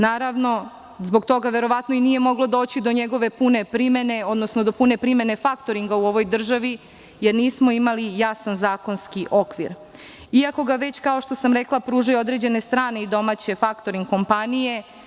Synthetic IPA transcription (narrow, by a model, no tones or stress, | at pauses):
naːɾaʋno̞ | zbo̞ɡt̪o̞ɡaʋe̞ɾo̞ʋat̪noinije̞mo̞ɡlˠo̞d̪o̞ːt͡ɕid̪o̞ɲeɡo̞ʋe̞pune̞pɾime̞ne̞o̞d̪nosnod̪o̞pune̞pɾime̞ne̞fakt̪o̞ɾiŋɡauo̞ʋo̞jd̪r̩ʒaʋi | jeɾniːsmo̞imalijasanzaːko̞nskiʔo̞kʋḭɾ | iako̞ɡaʋe̞t͡ɕkao̞ʃt̪o̞samɾeklˠapɾuːʒajuo̞d̪ɾe̞d͡ʑe̞ne̞st̪ɾaːne̞id̪o̞maːt͡ɕe̞fakt̪oɾiŋɡko̞mpanije̞